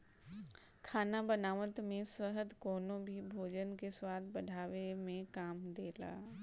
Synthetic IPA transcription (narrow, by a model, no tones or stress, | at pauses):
kʰaːnabɐnaːʋət̪mẽsəɦəd̪koːnobʱibʱoːd͡ʑən̆kʰeːswaːd̪bɐɖʱaːʋemẽkaːmd̪eːla̰ː